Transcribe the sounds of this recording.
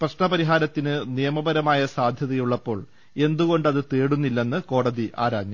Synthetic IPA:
prɐɕɳɐpɐɾiɦaːɾɐt̪ːinɨnijɐmɐbɐɾɐmaːjɐsaːd̪ʱjɐðɐjuɭːɐpːo̞ːɭ | e̞nd̪uɣo̞ɳɖɐðɨt̪e̞ːɽunːilːe̞nːɨko̞ːɽɐðiʔa̰ːɾaːɲːɐm

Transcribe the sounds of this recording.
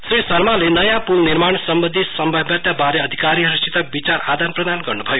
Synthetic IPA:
sɾisʌrmalenʌjãpulniɾmaɳsʌmbʌ̃nd̪ʱisʌmbʱʌbjat̪jabaɾeʌd̪ʱikaɾiʌɾist͡ʃit̪abit͡saɾad̪anprʌd̪anɡʌrnubʱʌjo

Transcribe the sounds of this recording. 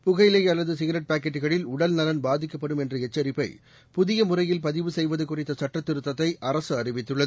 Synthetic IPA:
pʊɣɐjleːjɐlːɐðɯsɪɣɐɾɛʈ̚paːk̬ːɐʈːɯɣɐɭɪlʊɽɐlnɐlɐnbaːðɪkːɐpːɐɽɯmɛndrɯɛt͡ʃːɐɾɪpːɐɪ | pʊðɪjɐmʊrɐjɪlpɐðɪʋɯsɛjʋɐðɐkːʊrɪt̪ːɐsɐʈrɐt̪ːɪɾɯt̪ːɐt̪ːɐɪʔɐrɐsɯɐrɪʋɪt̪ːɯɭːɐðɯ

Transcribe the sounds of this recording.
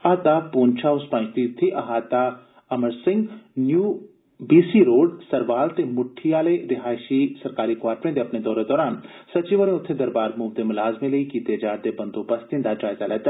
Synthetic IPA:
aːt̪apoːnt͡ʃʰaːʊspãːnt͡ʃt̪it̪ʰːiʔɐɦaːt̪a | ɐməɾsɪ̃ŋɡnjuː | biːsiɾoːɖsɐɾʋaːlt̪emʊʈʰːiaːleɾɪɦaːʃisɐɾkaːɾikʋaːɾʈɾẽnd̪eɐpned̪ɔːɾed̪ɔːɾaːnsɐt͡ʃiʋəɾẽʊt̪ʰːẽd̪ɐɾbaːɾmuːbd̪emʊlaːzmẽlɐikit̪eːd͡ʒaːɾd̪ebɐnd̪oːpɐst̪ĩnd̪aːd͡ʒaːɪzalat̪

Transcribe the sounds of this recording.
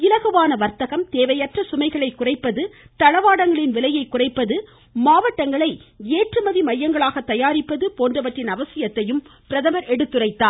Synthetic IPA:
ɪlɐɣɯʋaːnɐʋɐɾt̪ɐɣɐmt̪eːʋɐjɐʈrɐsʊmɐɪɣɐɭɐɪkːʊrɐɪpːɐðɯt̪ɐɻɐʋaːɽɐŋɡɐɭɪnʋɪlɐjɐɪkːʊrɐɪpːɐðɯ | maːʋɐʈːɐŋɡɐɭɐɪeːʈrɯmɐðimɐjːɐŋɡɐɭaːɣɐt̪ːɐjaːɾɪpːɐðɯpoːndrɐʋɐʈrɪnɐʋɐsɪjɐt̪ːɐjɯmpɪɾɐðɐmɐɾɛɽɯt̪ːɯrɐɪt̪ːaː

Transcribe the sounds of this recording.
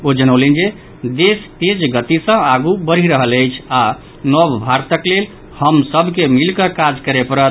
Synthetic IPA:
od͡ʒənəwlend͡ʒe | d̪est̪ed͡ʒɡət̪isə̃aɡubəɾ̤iɾəɦələjt͡ʃʰa | nɔbbʱaɾt̪əklel | həmsəbʱkemilkəkad͡ʒkəɾepəɾət̪

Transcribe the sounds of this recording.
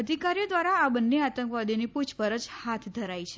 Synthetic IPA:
əd̪ʱikaɾijod̪ʋaɾaːbənːeat̪ə̃ŋkʋad̪iniput͡ʃʰpəɾəd͡ʒhat̪ʰd̪ʱəɾajt͡ʃʰe

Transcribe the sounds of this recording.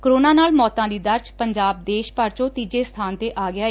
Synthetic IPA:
kəɾoːnaːnaːlmɔːt̪ãːd̪iːd̪əɾʃpəɲd͡ʒaːb̚d̪eːʃpəɾt͡ʃõːt̪iːd͡ʒeːst̪ʰaːnt̪eːʔaːɡɪaː

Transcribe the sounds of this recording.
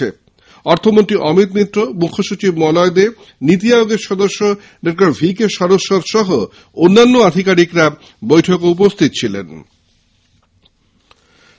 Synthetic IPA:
e | ɔɾt̪ʰomont̪ɾiʔɔmit̪nit̪ːɾomukʰːoʃut͡ɕibmɔlɔed̪e | nit̪̬iajoɡeɾʃɔd̪oʃːo | ɖek̚ʈaɾbʱikeʃɔd̪oʃːoɾʃɔɦo | onːanːoad̪ʱikaɾikɾa | bojʈʰokoup̬ost̪ʰit̪ot͡ɕʰilḛn

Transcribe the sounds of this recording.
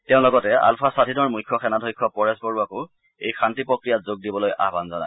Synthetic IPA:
teʊ̃lɔɡɔtɛa̰lpʰasadʱinɔɹmujkʰːɔxɛnadʱojkʰːɔpɔɹɛsbɔɹuako | ḛjxʰantipɹɔkɹijatzoɡ̚dibɔloja̰banzɔna̰j

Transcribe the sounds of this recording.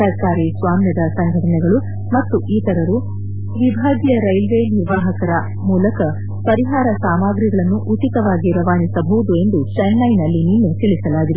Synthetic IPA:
ɐɾkaːɾisʋaːmnjɐd̪ɐsɐnd̪ʱɐɾɐɳɛɡɐɭu | mɐt̪ːuʔiːt̪ɐɾɐɾu | ʋibʱaːɡjɐɾɐjlʋeːniɾʋaːɦɐkɐɾɐ | muːlɐkɐ | pɐɾiɦaːɾɐsaːmaːɡɾiɡɐɭɐnːuʔut͡ʃit̪ɐʋaːɡiɾɐʋaːnisɐbɐʋud̪ue̞nd̪ut͡ʃɛnːɐjnɐlːiniːnut̪iɭisɐlaːɡ̪iɾu

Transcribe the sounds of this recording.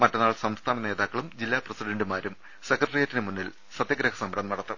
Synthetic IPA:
mɐtːɐnːaːɭsɐmst̪ʰaːnɐne̞ːðaːkːɐɭumd͡ʑilːaːprɐsiɖɐɳdumaːɾum | sekrɐʈɐrijaːtːinɨmunːil | sɐd̪jɐɡɾɐkɐsɐmbɐɾɐmnɐɽɐt̪ːɨ

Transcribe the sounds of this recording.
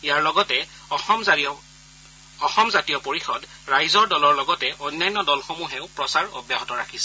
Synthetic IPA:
ijaɹlɔɡɔtɛ | ɔxɔmzatijɔpoɹixɔd | ɹajzɔɹdɔlɔɹlɔɡɔtɛʔɔjnajnːɔdɔlxomuɦɛʊpɹɔsaɹɔ̰bjaɦɔtɔɹakʰisɛ

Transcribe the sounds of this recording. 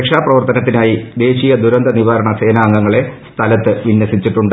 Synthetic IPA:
kʂaːprɐʋɐrt̪ɐnɐt̪ːinaːjid̪e̞ːɕijɐd̪uɾɐnd̪ɐniʋaːɾɐɳɐse̞ːnaːŋɡɐŋːɐɭe̞st̪ʰɐlɐt̪ːɨʋinjɐsit͡ɕːiʈːuɳɖɨ

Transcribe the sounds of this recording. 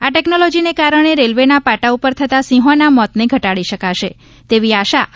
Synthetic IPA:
aʈɛknɔlɔd͡ʒinekaɾəɳ̃eɾelʋenapaʈaupəɾt̪ʰət̪asĩɦõnamɔt̪neɡʱəʈaɽiʃəkaʃe | t̪eʋiaʃa

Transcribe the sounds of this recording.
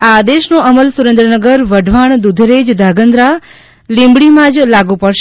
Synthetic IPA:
aːd̪eʃnoəməlsuɾẽnd̪ɾənəɡəɾʋəɖʱʋaɳd̪ud̪ʱɾed͡ʒd̪ʱaɡənd̪ɾa | lĩmbɽimãd͡ʒlaɡũpəɽʃ

